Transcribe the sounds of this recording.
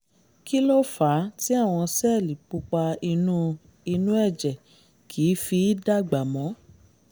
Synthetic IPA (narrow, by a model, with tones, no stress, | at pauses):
ki˦lo˦faː˨˦ti˦a˦˨w̃ɔ̃˧sɛ˦˨li˨k͡pu˧˦k͡pa˧i˧nũ˦ | i˧nũ˦ɛ˦˨d͡ʒɛ˨ | kʰiː˨˦fi˧˦da˦ɡ͡ba˨mɔ̃˨˦